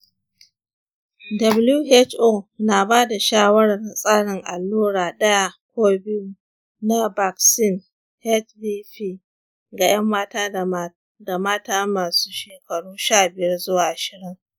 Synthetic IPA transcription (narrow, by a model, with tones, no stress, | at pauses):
dɐ˨blju˦ʔe˦t͡ʃʔoː˦˨na˨baː˦da˨ʃaː˦wɐ˦ɽɐ˨rsʼaː˦ɽɪ˨ŋʔa̰˨lːuː˦ɽaː˨ɗɐ˦ja˦kʷoː˦bi˦ju˦ | na˦ba˨ksɪ˦˨n | hɛ˦t̚biː˦ɸiː˦ | ɡa˨j̰ɐ˦mːaː˦taː˦ | da˨maː˦taː˦maː˨su̥ː˦ʃeː˨kɐ˨ɽuː˦ʃaː˦˨bɪ˨jɐ˦rzʊ˦waː˨ʔa˨ʃɪ˨ɽɪ˦ŋ